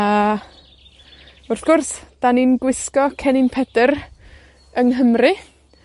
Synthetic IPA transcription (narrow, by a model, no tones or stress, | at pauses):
a | ʊrθɡ̥ʊrsd̥aninɡwɪskɔkʰɛnɪnpʰɛd̥ər | əŋɦəmrɨ